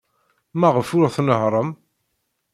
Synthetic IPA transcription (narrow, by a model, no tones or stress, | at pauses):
mæʁəfʊɾʁθnəɦɾˤəm